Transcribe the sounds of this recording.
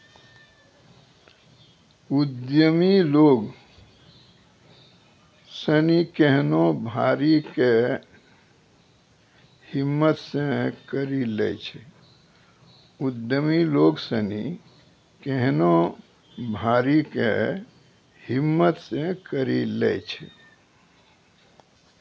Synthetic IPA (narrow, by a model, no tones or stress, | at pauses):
ud̪jəmiloɡ | sənikeɦnobʱaɾike | himːət̪sẽkəɾilɛ̰t͡ʃʰɛ | ud̪jəmiloɡsəni | keɦno | bʱaɾikḛ | himːət̪sẽkəɾilɛ̰t͡ʃʰɛ̰